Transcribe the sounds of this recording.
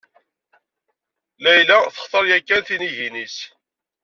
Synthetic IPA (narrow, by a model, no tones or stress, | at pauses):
læjlæθə̥χt̪ˤəɾjækːænθiniʝinis